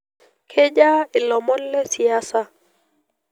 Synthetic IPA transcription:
kʰe˦d͡ʒa˦ɪ˨lɔ˨mɔ˦llɛ˦si˨a˦sa˦

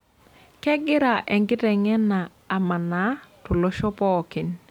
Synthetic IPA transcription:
kɛ˦ɡɪ˦ɾa˨ʔɛ˨ŋɡɪ˦tɛ˨ŋɛ˦naː˨ma˨na˦to˨lo˦ʃɔ˦pɔ˦˨kɪ˨n

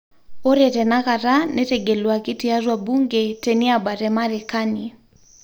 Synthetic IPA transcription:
o˦ɾɛ˨tɛ˨na˦ka˨ɾa˦nɛ˦tɛ˨ɡɛ˨lwa˨ki˦ti˦a˦zwa˨bu˦ŋɡɛ˨tɛ˨ni˦aba˨ɾɛ˨maɾe˨kani

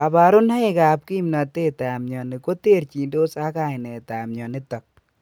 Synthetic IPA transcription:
a˨ba˨ɾʊ˦nha˦ɪ˨ka˨p̚ki˦mna˨te˦ta˨mɲɔ˨ni˨ko˦te˦˨ɾt͡ʃi˨ndo˦sa˦ka˨ɪ˨nɛ˨ta˨mɲɔ˨ni˦tɔ˨k̚

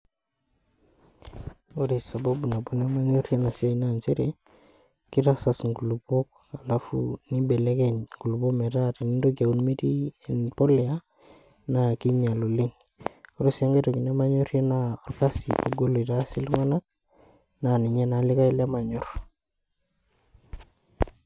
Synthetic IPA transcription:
o˦ɾi˨sa˨ba˦bu˨na˨bo˨ne˦ma˦ɲo˦rje˦na˨sja˦ina˦˨nt͡ʃe˦ɾe˨ | kɪ˦ɾa˦sa˨sŋɡu˨lu˨bo˦k | a˨la˦fṵ˦ni˦bɛ˨le˦kɛ˨ɲŋɡu˨lu˨bo˦mɛ˨ɾa˦ti˨ni˦ndo˦k̬ja˨u˦nme˦ti˦e˨npɔ˦le˨a˦ | na˨ki˦ɲa˨lo˨li˦ŋ | o˦ɾo˦sa˦ŋɡe˦to˨ki˨ne˦ma˦ɲʊ˦ɾje˦na˦ɔ˨rka˦sḭ˨po˨ɡo˦lo˨i˨ta˦sɪ˦lŋa˦na˦k̚ | na˨ni˨ɲɛ˦na˨lɪ˦ka˦ilɛ˦ma˨ɲʊ˦r

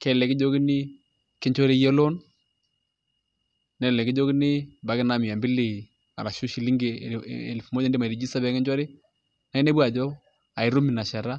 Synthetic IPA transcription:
kɛ˦lɛ˨kɪ˦d͡ʒo˦ki˦ni˦ | kɪ˦ɲt͡ʃɔ˦ɾe˦jɛ˦lɔ˦n | nɛ˨˦lɛ˨kɪ˦d͡ʒo˦ki˦nɪ˦ba˨˦kɪ˦na˦mɪ˨a˨mbi˦li˨ | a̰˨la˨ʃu˦ʃi˨li˦ŋɡḛ˨lfu˨mo˦d͡ʒndi˦ma˨ɾi˨d͡ʒi˦sa˦bɛ˨˦kɛ˦ɲd͡ʒɔ˦ɾe˦ | na˦i˦ne˦bwa˨d͡ʒɔ˦ | a˨ɪ˨˦ɾu˦mi˨na˨ʃa˨ɾa˦

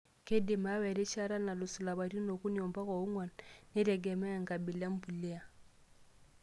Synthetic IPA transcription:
ke˦di˨ma˦wɛ˨ɾi˦ʃa˦ɾa˦na˨lu˨su˨la˨βa˨ɾi˦no˨ku˦ni˨ɔ˨mba˦ka˨u˦ŋwa˨nne˦ɾɛ˨ɡɛ˨mɛ˦a˨ŋɡa˨bi˨la˦m̩˦bu˨li˦a˨

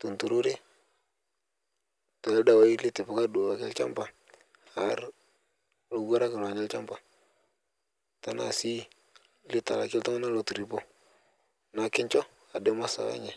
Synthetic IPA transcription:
tu˨ntu˨ɾu˦ɾe˦ | tɔ˨ɛ˦da˨wa˨˦i˦li˦tɪ˨pa˨ka˦du˨wa˨kɪ˦lt͡ʃa̰˦mpa˨ | ha˨˦ɾ | lo˨ɡa˦ɾa˦kɪ˨n˨a˨ɲɛ˦lt͡ʃa˦mpa˨ | ta˨na̰˨si˦ | li˦ta˨la˨kɪ˦lta˦ma˦na˦lo˨tu˨ɾi˨po˦ | na˨kɪ˦ɲt͡ʃɔ˦ | a˨de˦ma˦sa̰˨wa̰˨˦ɲɛ˦

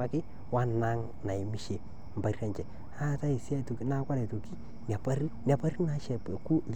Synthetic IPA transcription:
a˦kɪ˦ | wa˦na˦ŋ | na˨i˨mi˦ʃe˨ | m̩˨ba˨ra˦ɲt͡ʃɛ˨ | a˦˨ta˦i˨sja˦˨to˨ki˦na˦kʷa˦lɛ˨to˨ki˦ | n˨a˨pa˦ri˦n˨a˨pa˦ri˦na˨˦ʃɛ˨pku˦˨

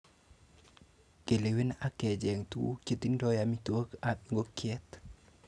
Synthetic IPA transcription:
ke˨le˨wi˦na˦kɛ˨d͡ʒɛ˨ŋt̪ṵ˦ke˨t̪i˦ndɔjamitwo˦kaɓiŋɡo˦kʰjɛt̪

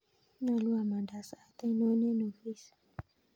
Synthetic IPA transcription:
na˨lu˦a˨ma˨nda˨sa˦˨t̪a˦nɔ˦nɛ˦nu˨fi˦s

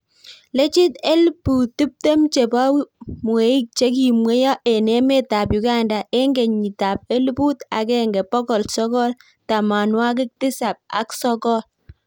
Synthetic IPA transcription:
le˦t͡ʃi˦te˦lpu˨tːi˦p̚te˦mt͡ʃe˨ba˦wmwe˨˦i˦k̚t͡ʃe˦k̬i˨mwe˦jɔ˦ʔe˨nɛ˨˦me˦ta˨p̬ju˨ka˦nda˨ʔe˦ŋɡe˨ɲi˨ta˨p̚e˦lpu˦ta̰˨kɛ˦ŋɡɛ˨pɔ˦kɔ˨lsɔ˦kɔ˦l | ta˨ma˨nwa˦k̬ɪ˦k̚tɪ˦sa˨p̚a̰˦ksɔ˦kɔ˦l

